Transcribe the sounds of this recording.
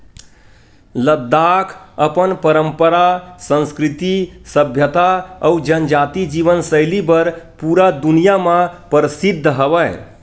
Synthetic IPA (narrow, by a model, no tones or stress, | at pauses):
ləd̪ːakʰəpənpəɾəmpəɾasə̃nskɾit̪isəbʱjət̪aəud͡ʒənd͡ʒat̪id͡ʒiʋənsəɪlibəɾpuɾad̪unijamãpəɾəsid̪ʱːɦəbəɪ